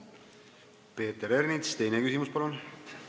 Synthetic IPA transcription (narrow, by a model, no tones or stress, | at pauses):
pe̞ːt̪eɾernit̪st̪e̞jnekysimuspɑlun